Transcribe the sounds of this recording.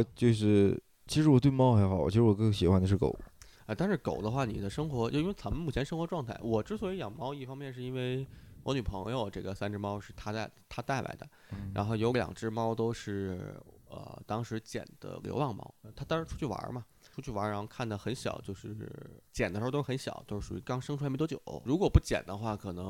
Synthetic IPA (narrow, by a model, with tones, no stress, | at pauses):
t͡ɕjo˥˧ʊʂ̬ɻ̩˥˩ | t͡ɕʰi˧˥ʂɻ̩˧˥wɔ˨˩t̪we˥˧ɪmɑ˥ʊxa˧˥ɪxʊwɔ̰˨˩t͡ɕʰi˧˥ʂɻ̩˥wɔ˨˩kɤ˥˧˥ɕi˨˩xwa˧˥ni˨˩ʂɻko̰˨˩ʊ | a˥˧t̪a˥˧nʂɻ̩˥˩ko˨˩ʊd̪ə˦xwa˥˩ni˨˩d̪ə˦ʂɤ˥ŋxwɔ˧˥t͡ɕjo˥˧ʊi˥e˥˩t͡sa˧˥nmə˧nmu˨˩t͡ɕʰjɛ˧˥nʂɤ˥ŋxwɔ˧˥ʈ͡ʂwɑ˥˧ŋt̪ʰa˥˩ɪwɔ˨˩ʈ͡ʂɻ̩˥swɔ˧˥i˧˥jɑ˨˩mɑ˥ʊi˥˩fɑ˥ŋmjɛ˥˧nʂ̬ɻ̩˥˩i˥nwe˥˩ɪwɔ˧˥ny˨˩pʰɤ˧˥ŋjo˧ʊʈ͡ʂɤ˥˩ɡə˩sa˥nʈ͡ʂɻ̩˥˧mɑ˥ʊʂɻ̩˥˩t̪ʰa˥a˥˩˧ɪt̪ʰa˥t̪a˥˩ɪlʔa̰˧˥ɪd̪ə̰˧ | ɻa˧˥nxo˥˩jo˧˥ʊljɑ̰˨˩ŋʈ͡ʂɻ̩˥˩mɑ˥ʊt̪o˥ʊʂɻ̩˥˩ | ə̰˧˩t̪ɑ˥ŋʂɻ̩˧˥t͡ɕjɛ̰˨˩nd̪̥ə̰˦lo̰˧˥wɑ˥˩ŋmɑ̰˥ʊ˧t̪ʰa˥t̪ɑ˥ŋɻnʈ͡ʂʰu˥t͡ɕʰy˥˩wa̰˧˥mɐ˨ | ʈ͡ʂʰu˥t͡ɕʰy˥˩wa̰˧˥ɻxo˥˧kʰa˥˩nd̪ə˨˩xə˧˥nɕjɑ̰˨˩ʊt͡ɕjo˥˧ʊʂɻ̩˥˩t͡ɕjɛ˨˩nd̪ə˩ʂ̩˧˥˧to˥˩˧n˥ɕjɑ̰˨˩˦t̪o˥ʊʂɻ̩˥˩ʂṵ˨˩y˧˥kɑ˥ŋʂŋʈ͡ʂʰu˥˧˥t̪o˥t͡ɕjo̰˨˩˦ɻu˧˥kwɔ˨˩pu˥˩t͡ɕjɛ̰˨˩nd̪ə˦xwa˥˩kʰɤ˨˩nɤ˧˥ŋ